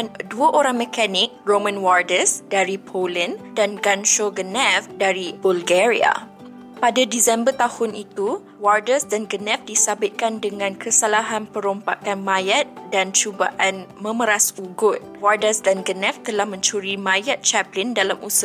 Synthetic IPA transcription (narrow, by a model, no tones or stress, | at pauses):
nduaʔoɾaŋməkanɪk̚romə̃nwardəsdaɾipʰoləndanɡanʃoɡənɛ̃fdaɾibulɡɛɾia̰ | padadisɛmbərt̪ahʊnit̪u | wardəsdanɡənɛ̃fdisabɪt̪̚kandəŋãnkʰəsalaɦanpəɾompa̰kanmãjat̪̚dant͡ʃuba̰ʔanmə̃məɾasuɡʊt̪̚wardəsdanɡənɛ̃ft̪əlahmə̃ɲt͡ʃuɾimãjat̪̚t͡ʃɛplɪndalamʔusə